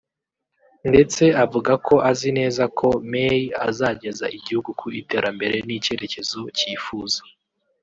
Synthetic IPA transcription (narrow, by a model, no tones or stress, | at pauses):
nde̞t͡se̞avuɡakʰo̞ʔazine̞ːzakʰo̞mejia̰zaːɟe̞zaʔiɟihuɡukʰuite̞ːɾambe̞ɾe̞nice̞ɾe̞ce̞zo̞ciːfuːzḁ